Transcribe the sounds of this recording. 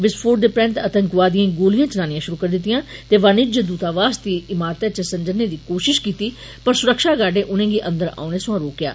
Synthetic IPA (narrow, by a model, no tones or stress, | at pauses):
ʋɪspʰoːɾɖd̪eːpɾɛ̃ːnt̪ət̪əŋkʋaːd̪ijãːɡoːlijãːt͡ʃənaːnĩjãːʃʊɾuːkəɾd̪ɪt̪ːɪjãːt̪eːʋaːnɪd͡ʒəd̪uːt̪aːʋaːst̪iːɪmaːɾt̪et͡ʃəsəɲd͡ʒənːeːd̪iːkoːʃɪʃkiːt̪iː | pəɾsʊɾəkʃaːɡaːɖẽːʔʊnẽːɡiːʔə̃nd̪əɾa̰ːneːsʊ̃ãːɾoːkja̰ː